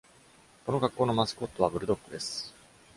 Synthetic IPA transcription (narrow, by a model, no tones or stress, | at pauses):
ko̞no̞ɡakːo̞ːno̞masɨ̥ko̞t̪ːo̞βabɯ̟ɾɯ̟d̪o̞kːɯ̟d̪e̞sɨ̥